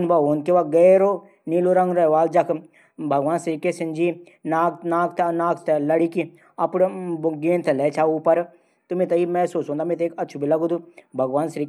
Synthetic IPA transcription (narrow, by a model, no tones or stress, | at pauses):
nbɐoːnkeʋaɡeːɾoː | niːloɾɐ̃ŋɡɾɐʋaːld͡ʒɐkʰ | bʱɐɡʋaːnsɾikesɪnd͡ʒi | naːknaːkt̪naːkʰt̪lɐɽiki | ɐpɽbɡeːnt̪ʰlɛːt͡ʃʰauːpɐɾ | t̪ʊmet̪ɐimɛ̃soːt͡ʃõːnd̪aːmẽt̪eːkɐtːʃʰubʱilɐɡud̪ubʱɐɡʋaːnsɾiːk